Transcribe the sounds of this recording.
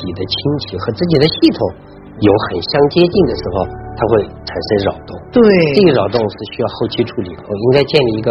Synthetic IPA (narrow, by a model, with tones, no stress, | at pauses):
t͡ɕi˨˩d̪ə˦t͡ɕʰi˥ŋt͡ɕʰi˧˥xɤ˧˥t͡sɹ̩˥˩i˨˩d̪ə˦ɕi˥˩t̪ʰʊ˨˩˦ŋ | jo˧˥ʊxə˨˩nɕjɑ˥ŋt͡ɕjɛ˥t͡ɕi˥˩ŋd̪ə˩ʂɻ̩˧˥xo˥˧ʊt̪ʰa˥xwe˥˩ɪʈ͡ʂʰa˨˩nʂə˥ŋɻɑ˨˩ʊt̪ʊ˥˩ŋt̪we˥˩ʈ͡ʂɤ˥˩i˧˥ɻɑ˨˩ʊt̪ʊ˥˧ŋʂɻ̩˥˧ɕy˥jɑ˥˧ʊxo˥˩ʊt͡ɕʰi˥ʈ͡ʂʰu˥˩lḭ˨˩kʰo˥˧ʊi˥ŋka˥ɪt͡ɕjɛ˥˧nli˥˩i˧˥ɡə˧